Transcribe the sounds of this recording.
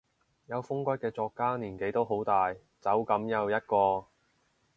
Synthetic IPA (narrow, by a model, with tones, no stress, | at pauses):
jɐ˨˧wfʊ˥ŋkʷɐ˥kɛː˧t͡sɔː˧kːaː˥niː˨˩nke˨˥jt̪o˥wɦo˨˥wt̪aː˨j | t͡sɐ˨˥wkɐ˨˥mjɐ˨˧wjɐ˥t̚kɔː˧